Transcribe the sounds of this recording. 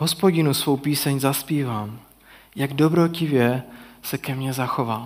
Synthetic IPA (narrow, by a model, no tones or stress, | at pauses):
ɦospoɟɪnusvo̞wpiːsɛɲzaspiːvaːm | jaɡdo̞bɾocɪvjɛsɛkɛmɲɛzaxo̞vaː